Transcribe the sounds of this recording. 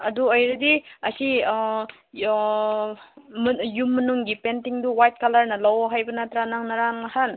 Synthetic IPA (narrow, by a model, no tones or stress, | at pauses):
ɐduojɾɯdiɐsi | mjumːɐnuŋɡipentiŋduwajt̚kalaɾnɐlawɦajbɐnatɾanaŋnaɾaŋnahan